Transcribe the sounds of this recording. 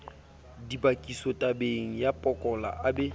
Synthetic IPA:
dibakʼisɔtʼabeŋ̩japʼɔkʼɔla̰ʔabɛ

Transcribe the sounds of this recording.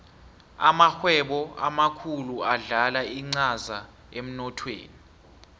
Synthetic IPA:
a̰maxwɛɓɔamakʰuluaɮalaiŋ͡ǀaza | em̩nɔtʰwḛːni

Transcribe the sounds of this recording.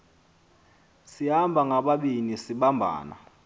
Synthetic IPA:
sihambʱaŋaɓaɓinisiɓambʱa̰ːna̰

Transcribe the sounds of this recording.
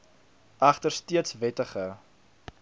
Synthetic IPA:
ʔɐχtərstiətsvɛtəχə

